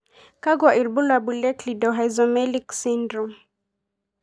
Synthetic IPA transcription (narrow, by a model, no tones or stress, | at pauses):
kaɡwaʔilbulabulɛklidɔɦajzɔmɛliksindɾum